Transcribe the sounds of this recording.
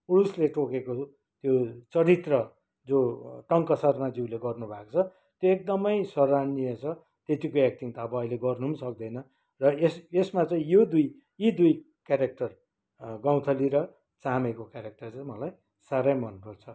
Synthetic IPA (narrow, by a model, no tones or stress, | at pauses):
uɾusleʈokeko | t̪jot͡sʌɾit̪rʌ | d͡zoʈʌŋkʌsʌrmad͡ziwleɡʌrnubʱakot͡sʰʌ | t̪joek̚d̪ʌmʌjsʌɾanijʌt͡sʰʌ | t̪et̪ikoek̚ʈ̪iŋt̪ʌːbʌːileɡʌrnumsʌk̚d̪ʌjnʌ | rʌesesmat͡sʌĩjod̪uj | jid̪uj | kjaɾek̚ʈʌr | ɡaw̃t̪ʰʌliɾʌ | t͡samekokjaɾek̚ʈʌrt͡sʌĩmʌlaj | saɾʌjmʌnrʌt͡sʰʌ